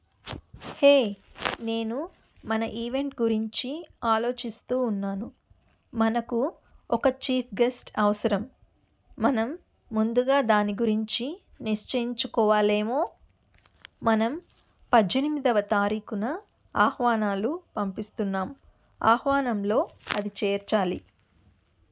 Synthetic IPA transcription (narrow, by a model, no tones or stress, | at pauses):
heːne̞ːnu | mɐnɐʔiːʋe̞ɳʈɡuɾiɲt͡ʃiaːlo̞ːt͡ʃist̪uːnːaːnu | mɐnɐku | ɔkɐt͡ʃiːpʰɡesʈɐʋɐsɐɾɐmː | ɐnɐmː | und̪uɡaːd̪aːniɡuɾiɲt͡ʃi | niʂt͡ʃɐjiɲt͡ʃukɔːʋaːle̞ːmo̞ː | mɐnɐm | pɐdd͡ʒenimid̪ɐʋɐt̪aːɾiːkunɐ | aːhʋaːnaːlupɐmpist̪unːaːm | a̰ːhʋaːnɐmlo̞ːɐd̪it͡ʃeːɾt͡ʃaːli